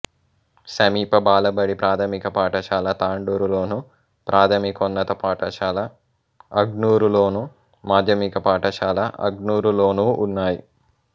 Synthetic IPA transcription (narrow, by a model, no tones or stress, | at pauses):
sɐmiːpɐbaːlɐbɐɽipɾaːt̪ʰɐmikɐpaːʈɐʃaːlɐt̪aːɳɖuːɾulo̞ːnu | pɾʔaːt̪ʰɐmikonːɐt̪ɐpaːʈɐʃaːlɐ | ɐɡnuːɾulo̞ːnu | maːd͡ʒ̪ʱjɐmikɐpaːʈɐʃaːlɐʔɐ̰ɡnuːɾulo̞ːnuːʔunːaːjḭ